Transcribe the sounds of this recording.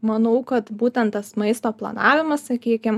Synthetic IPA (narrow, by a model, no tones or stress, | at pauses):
mɐnɐʊkɐt̪buːt̪ʲɛnt̪t̪ɐsmɐɪst̪oːplˠɐ̰nɑːʋʲɪmɐssɐkʲiːkʲɪm